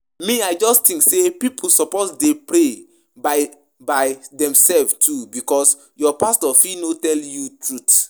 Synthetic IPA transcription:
miaɪd͡ʒɔsttĩŋksepipʰul̩sɔposdepɾe | ba | baɪdɛ̃msɛlvtʰubikɔs | jɔpastɔfinotɛljutʰɹut

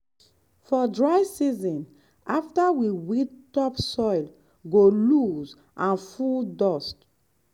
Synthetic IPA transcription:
fɔdɹaɪsizɔ̃n | aftawiwittɔpsɔɪl | ɡoluz | ʔãnfuldɔst

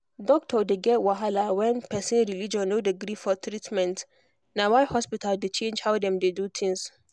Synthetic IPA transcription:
dɔk̚tʰɔdeɡɛtwaɦalawɛ̃npʰɛsĩnɹilid͡ʒɔ̃nːodiɡɾifɔt̪ʰɾitmɛ̃nt | nawajhɔspitʰaldet͡ʃẽnd͡ʒhawdɛ̃mdedut̪ʰĩŋs

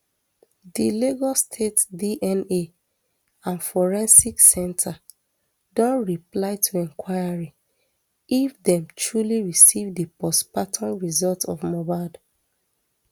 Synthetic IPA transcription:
dileɡɔstʰetdiʔɛ̃ne | ãnfɔɹɛ̃nsiksɛ̃ntʰa | dɔ̃nɹiplaɪtʰuɛ̃ŋkʰwaɪaɹi | ifdɛ̃mtʰɹuliɹisivdəpɔspatʰɔ̃nɹizɔltɔvmɔbad

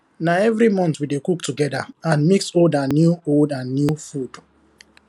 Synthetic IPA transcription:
naɛvɹimɔ̃ntwidekuk̚tʰuɡɛda̰ãnmiksoldanːjuoldãnːjufud̥

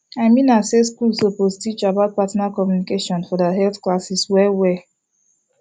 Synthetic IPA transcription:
aɪmĩnaseskulsopostit͡ʃabaʊt̚patnakɔmjunikeʃɔ̃nfɔdəɦɛlθklasiswɛwɛ

